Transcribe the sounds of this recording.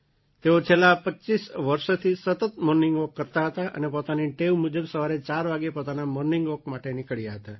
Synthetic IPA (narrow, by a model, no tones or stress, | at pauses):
t̪eot͡ʃʰelːapəːʃisʋəɾʃt̪ʰisət̪ət̪mɔɾnɪ̃ŋɡʋɔkːəɾt̪aɦət̪aʔə̰nepot̪aniʈeʋmud͡ʒəbsəʋaɾet͡ʃaɾʋaɡepot̪anamɔɾnɪŋɡʋəkmaʈenɪkɭjaɦət̪a